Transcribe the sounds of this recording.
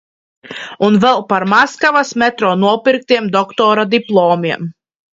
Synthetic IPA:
unvɛlˠpaɾmaskavasmʲɛt̪ɾɔːnuɔpiɾk̚t̪iɛmd̪ɔkt̪ɔːɾad̪iplˠɔːmiɛm

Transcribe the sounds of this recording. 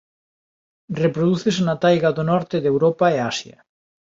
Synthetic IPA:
repɾoðuθesnat̪ajɣaðonɔɾt̪eðewɾopaeasjɐ̰

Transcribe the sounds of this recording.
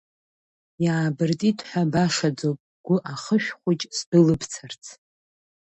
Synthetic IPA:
jaːbɨrtʼitʼħʷabaʂad͡zowpʼɡ̥ʷʊʔaχəʃᶣχʷʊt͡ʃʼsdɨlɨbʰt͡sʰart͡sʰ

